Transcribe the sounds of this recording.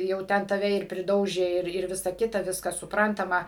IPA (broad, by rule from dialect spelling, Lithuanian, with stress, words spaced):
jɛʊ ˈtʲɛn tɐˈʋʲɛ ɪr pʲrʲɪˈdɐʊʒʲeː ˈɪr ˈɪr ˈʋʲɪsɐ ˈkʲɪtɐ ˈʋʲɪskɐs sʊˈprɐntɐmɐ